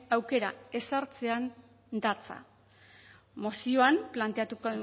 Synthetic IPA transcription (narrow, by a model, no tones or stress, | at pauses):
awke̞ɾa̰e̞saɾt͡se̞an | d̪at͡sa̰ | mosio̞amplant̪eat̪uko